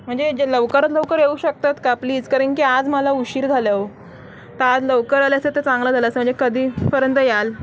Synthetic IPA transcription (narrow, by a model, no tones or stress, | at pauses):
m̤əɳd͡zed͡ʑləʋkəɾət̪ləʋkəɾjeuɕək̚t̪at̪kapliːd͡zkaɾəɳkiːad͡zməlauɕiːɾd͡zʱalaʋo | t̪əad͡zləʋkəɾaljaset̪et͡sãŋɡlad͡zʱalaəsəm̤əɳd͡zekəd̪ʱiːpəɾjənt̪əjal